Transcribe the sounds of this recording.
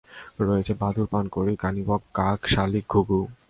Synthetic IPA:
ɾɔet͡ɕʰebad̪ʱuɾpankoɾikanibɔkːakʃalik̚ɡʱuɡu

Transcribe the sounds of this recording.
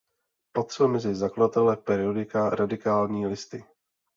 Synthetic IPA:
pot̪r̥ɛlmɛzɪzakladat̪ɛlɛpɛɾɪodɪkaɾʔadɪkaːlɲiːlɪst̪ɪ

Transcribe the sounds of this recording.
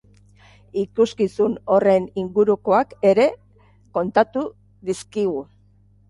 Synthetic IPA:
ikuskisuno̞re̞niŋɡuɾuko̞ake̞ɾe̞ | ko̞nt̪at̪u | ðiskiɣu

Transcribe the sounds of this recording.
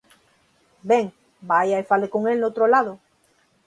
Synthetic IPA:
beŋ | bajaefalekoŋelnowt̪ɾolaðo

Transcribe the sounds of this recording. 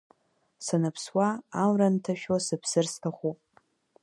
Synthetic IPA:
sanɨpʰswaːmrantʰaʃᶣosɨpʰsɨrstʰaχʷupʼ

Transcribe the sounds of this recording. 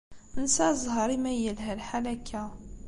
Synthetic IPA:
nsæzˤɦɑɾˤimæjːəlɦælħalækʰæ

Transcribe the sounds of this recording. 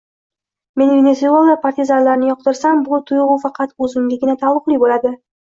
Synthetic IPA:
me̞nvenesualˠd̪apʰaɾt̪ʲizaɾlaɾnɪjɒq̚t̪ɪɾsambʊt̪ʰʊjʁʊfɑqʰɑt̪ɵzɪmd̪ʲɪɡʲɪnat̪ʰalʊqlˠijbolad̪ɪ

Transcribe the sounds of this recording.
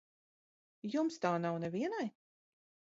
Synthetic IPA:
jumst̪aːnawnɛviɛnaj

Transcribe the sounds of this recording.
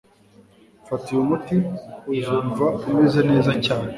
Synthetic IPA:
fatijumutiwizuːɱvauwezene̞ːzacaːne

